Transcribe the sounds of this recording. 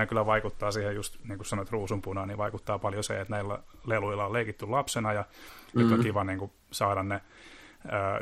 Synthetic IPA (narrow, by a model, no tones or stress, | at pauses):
ækylːˑæʋɑikut̪ːɑːsiːhejust̪niːŋkusɑnoet̪ruːsumpunɑːniʋɑikut̪ːɑːpɑljosḛet̪næilːæ̰leluilːɑoleikit̪ːulɑpsenɑjɑnyt̪ːoŋkiʋɑniːŋku | sɑːɾɑnne | əː